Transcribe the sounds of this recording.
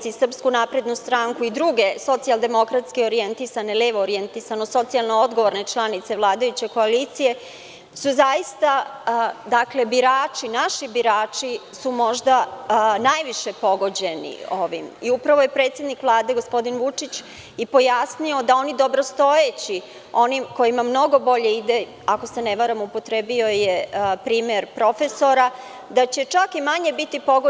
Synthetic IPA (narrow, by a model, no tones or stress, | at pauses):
t̪sisr̩pskunapɾe̞d̪nust̪ɾaŋkuid̪ɾuɡe̞so̞t̪sialˠd̪e̞mo̞kɾat̪skioɾijent̪isaneleʋoːɾient̪isanoso̞t̪sialˠnoo̞d̪ɡo̞ʋo̞ɾne̞t͡ʃlˠanit̪se̞ʋlˠaːd̪ajut͡ɕe̞ko̞alit̪sije̞ | suzajist̪a | d̪akle̞biɾaːt͡ʃinaʃibiɾaːt͡ʂisumo̞ʒd̪anajʋiʃe̞po̞ɡo̞d͡ʑe̞nḭo̞ʋimiupɾaʋoje̞pɾe̞ːt̪sje̞d̪nikʋlˠaːd̪e̞ɡo̞spo̞d̪inʋut͡ʂit͡ɕ | ipo̞jasnio̞d̪ao̞nid̪o̞bɾo̞st̪o̞et͡ɕi | o̞nimko̞jimamno̞ɡo̞bo̞ʎe̞id̪e | ako̞se̞neʋaɾamupo̞t̪ɾebio̞jepɾiːmeɾpɾo̞fe̞so̞ɾa | d̪at͡ɕe̞t͡ʂakimaɲe̞bit̪ipo̞ɡo